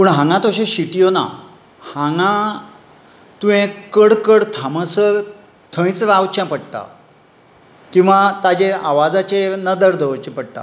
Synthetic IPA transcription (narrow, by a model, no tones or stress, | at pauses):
pəɳɦãŋɡãt̪oɕẽɕiʈijona̰ | hãŋã | t̪uɦẽkəɽkəɽt̪ʰamə̃sə | t̪ʰə̃j̃t͡sʋawt͡ɕãpəɽt̪a̰ | kĩw̃ʋat̪ad͡ʑeaʋad͡zat͡ɕenəd̪əɾd̪ʱəʋt͡ɕẽpəɽ̚t̪a̰